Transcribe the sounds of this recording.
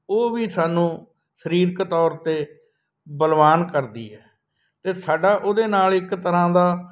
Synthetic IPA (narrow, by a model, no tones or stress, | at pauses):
oːʋiːsaːnũː | səɾiːɾkt̪ɔːɾt̪eː | bəlʋaːnkəɾd̪ḭːɛː | t̪eːsaːɖaːʔoːd̪eːnaːlɪkt̪əɾãːd̪aː